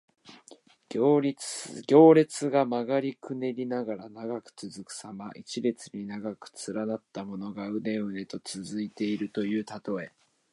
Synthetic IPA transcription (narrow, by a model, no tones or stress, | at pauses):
ɡʲo̞ːɾʲe̞t͡sɨɡamaɡaɾʲikɯ̟ne̞ɾʲinaɡaɾanaɡakɯ̟̥t͡sɨzɨkɯ̟̥samaʔit͡ɕiɾʲe̞t͡sɨɲ̟inaɡakɯ̟̥t͡sɨɾanat̪ːamo̞no̞ɡaɯ̟ne̞ɯ̟ne̞t̪o̞t͡sɨzɨit̪e̞iɾɯ̟t̪o̞jɯ̟ːt̪at̪o̞e̞